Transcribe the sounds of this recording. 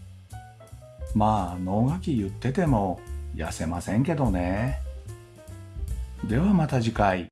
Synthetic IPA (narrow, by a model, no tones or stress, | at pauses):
maːno̞ːɡakʲijɯ̟t̪ːe̞t̪e̞mo̞ja̰se̞masẽ̞ŋke̞d̪o̞ne̞ | d̪e̞βamat̪aʑikai